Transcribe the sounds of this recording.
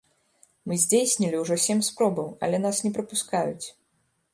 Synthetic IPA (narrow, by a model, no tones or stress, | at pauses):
mɨzʲd͡zʲejsʲnʲilʲiwʐɔsʲɛmspɾɔbɐwɐ̰lʲɛn̪asnʲɛpɾɐpuskajut͡sʲ